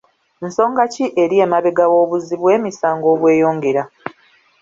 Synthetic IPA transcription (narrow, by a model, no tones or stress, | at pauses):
nso̞ːŋɡaciʔe̞ɾieːmaβe̞ɡawo̞ːβuziβwe̞ːmisaːŋɡo̞ːβwe̞ːjo̞ːŋɡe̞ɾa